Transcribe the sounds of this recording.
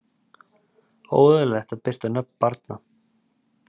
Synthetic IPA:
o̰ːwðʏlɛxt̪aðpɪr̥t̪anœp̚n̥paɾt̪na

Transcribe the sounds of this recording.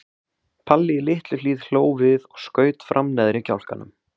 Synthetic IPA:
pʰalːɪɪlɪht̪lʏliːð̥l̥oːwvɪðɔɣskœːɥt̪fɾʔamnɛðɾɪcʰa̰wl̥kanʏ̰m

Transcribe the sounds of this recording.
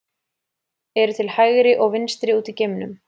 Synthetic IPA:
ɛɾʏt̪ʰɪlhajɣɾɪʔɔɣvɪnst̪ɾɪuːt̪iceːjmnʏm

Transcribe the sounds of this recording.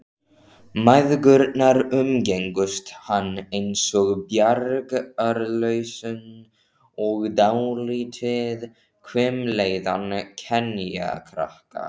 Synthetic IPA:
majðkʏɾt̪naɾʏmcejŋkʏst̪hanːejnsɔɣbjaɾkœɾlœɥsʏn | ɔɣd̪awlit̪ʰɪð | kʰvɪmlejðancʰɛna̰kʰɾa̰hka̰

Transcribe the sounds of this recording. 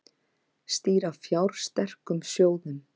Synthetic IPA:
st̪iːɾavfjawɾ̥st̪ɛr̥kʏmsjoːwðʏn

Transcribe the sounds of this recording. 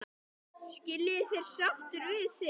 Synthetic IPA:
scɪlːɪθejɾ̥saft̪ʏɾvɪðθɪ

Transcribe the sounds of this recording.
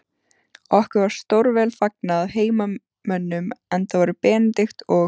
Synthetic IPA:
ɔhkʏɾvaɾ̥st̪owɾvɛːlfak̚naaðheːjma | mœnːʏmɛnθavaːɾʏpɛːnɪt̪ɪxt̪ɔ

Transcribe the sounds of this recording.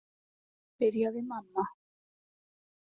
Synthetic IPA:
peɾjoðemamːa

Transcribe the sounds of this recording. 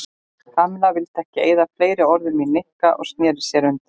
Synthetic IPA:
faːmɪlavɪlt̪ʰɛhcɪeːjðafleːjɾɪɔɾðɪminnehkaʔɔ̰ɣst̪njɛːðɪ̥sjɛɾʏnt̪ɪ

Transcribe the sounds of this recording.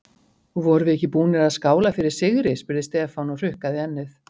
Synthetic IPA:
uvɔɾʏvɪɛhcːɪpuːnɪɾaðskaːwlafɪɾɪɾ̥sɪɣɾɪspʏɾðɪst̪ɛːfawnɔr̥ʏhkaðɪɛnːɪθ

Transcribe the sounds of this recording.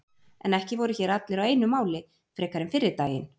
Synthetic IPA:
ɛnɛhcɪvɔɾʏçɛːɾat̪lɪɾaweːjnʏmaːwlɪ | fɾɛːkaɾɪnfɪɾɪɾt̪aːjɪ̰n

